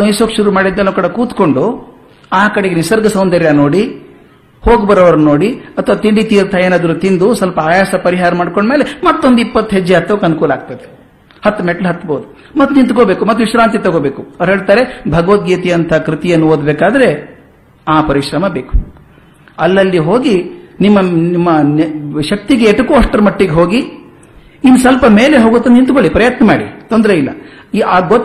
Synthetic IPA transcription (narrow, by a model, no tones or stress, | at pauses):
ɐjsoːkʂuɾumaːɽid̪ːɐlːnɐkɐɽɐkuːt̪ko̞ɳɖu | aːkɐɽeɡeisɐɾɡɐsɐwnd̪ɐɾjanoːɽi | hoːɡbɐɾoːʋɐɾɐnunoːɽiɐt̪ʰɐʋaːt̪iɳɖit̪iːɾt̪ʰaːjeːnaːd̪ɐɾut̪ind̪usɐlpɐaːjaːsɐpɐɾiɦaːɾɐmaːɽkoɳɖmeːlemɐt̪ːo̞nd̪ipːɐt̪ːɦed͡ʒːiat̪ːɐkɐnukuːlaːɡ̚t̪ɐd̪e | hɐt̪ːmeʈlɦɐt̪ːboːd̪u | mɐt̪ːnint̪koːbeːkumɐt̪ːuʋiʃɾaːnt̪̬it̪oɡoːbeːkuɐɾɦeːɭt̪aːɾe̞bʱɐɡɐʋɐt̪̚ɡiːt̪ijɐnt̪ʰɐɦɐkɾit̪ijɐnːuoːd̪beːkaːd̪ɐɾe̞ | aːpɐɾiʃɾɐmɐbeːku̥ | ɐlːɐlːiɦoːɡinimːɐnimːɐnʃɐk̚t̪iɡeɛʈɐkuɐʂʈːɐɾɐmɐʈːiɡeɦo̞ːɡi | inːusɐlpɐmeːleɦoːɡut̪ːɐnnint̪koɭipɾɐjɐt̪nɐmaːɽḭt̪ond̪ɾeilːɐ̰ | iaːɡot̪ː